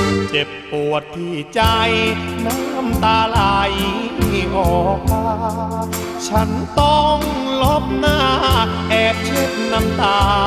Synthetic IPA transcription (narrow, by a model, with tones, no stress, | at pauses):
t͡ɕe˨˩pːu˨˩ət̪ʰːiː˧˩t͡ɕa˧jna˧˥˩jka˧˥˩mt̪aː˧laː˧˩jiː˧˩ʔɔː˨˩k̚maː˧ | t͡ɕʰa˦˥nt̪ɔ˧˩ŋ | lo˦˥p̚naː˥˩ | ʔɛː˧˩t͡ɕʰɯe˧˥˩p̪̚na˧˥mt̪aː˧